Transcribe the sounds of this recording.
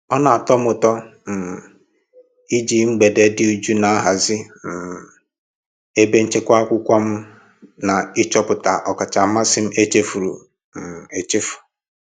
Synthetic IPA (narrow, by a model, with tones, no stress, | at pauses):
ɔ˦na˨a˨tɔ˦m̩˦ʊ˨tɔ˦n̩˨ | i˦d͡ʒi˨ŋ͡m̩˦ɡ͡be˨de˨dɪ˦u˦d͡ʒu˦na˨a˦ɦa˨zɪ˦˨ | e˦be˦n̩˦t͡ʃe˦kʷa˦a˦kʷʊ˦kʷa˦m̩˦ | na˨ɪ˦t͡ʃɔ˦pʊ˨ta˨ʔɔ˨ka˨t͡ʃa˨ma˦sɪ˦m̩˦e˦t͡ʃe˦fu˨ɾṵ˨ | e˨t͡ʃe˦fʊ̥˨